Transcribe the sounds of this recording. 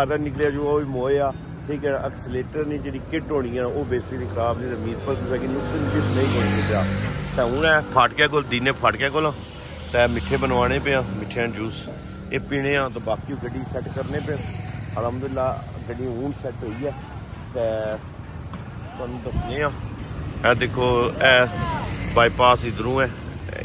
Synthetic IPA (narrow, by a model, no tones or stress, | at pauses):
aɾɛːnɪkleːaːd͡ʒoːaiːmoːeːaː | ʈʰiːkɛ̃ːəksleːʈəɾnĩːd͡ʒeːɽiːkɪʈɦoːɽ̃iːãːoːbeːseːɾiːkʰɾaːbd͡ʒeːɽaːmiːzpəlkːsɛːkinʊksənbɪsnə̃ĩːkəɾːkepːaːt̪ɛ̃ːʊnɛːpʰaːʈkɛːk̬old̪iːnẽːpʰaːʈkɛːkolãː | t̪ɛ̃ːmɪʈʰːeːbənʋaːɽ̃eːp̬ẽãːmɪʈʰːeːãːd͡ʒuːs | eːpiːɽ̃ẽːãːt̪ãːbaːkiːũːɡəɖiːsɛʈkəɾneːp̬ẽəɾaːmd̪ʊlːaːd͡ʒeɽĩuːnsɛːʈɦoːiːɛː | t̪ɛ̃ː | t̪onũːd̪əsneːãːɛːd̪eːkʰːoːɛː | baːiːpaːsɪd̪əɾũːɛː